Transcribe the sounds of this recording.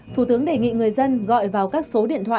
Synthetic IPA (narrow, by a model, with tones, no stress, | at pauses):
t̪ʰu˧˩t̪ɨ˨˦əŋɗe˨˩jŋḭ˧˨ŋɨ˨˩əjzə˧nɣɔ̰˧˨jvaː˨˩wkaː˦˥k̚so˨˦ɗḭ˧˨ənt̪ʰwaː˧˨